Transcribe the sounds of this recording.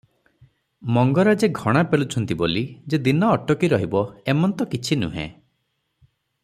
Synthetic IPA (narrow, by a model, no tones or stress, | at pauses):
mɔŋɡɔɾad͡ʒeɡʱɔɽ̃apeɭut͡ʃʰɔnt̪ibolid͡ʒed̪inɔːʈɔkiɾɔɦibɔemɔnt̪ɔkit͡ʃʰinṵɦḛ̃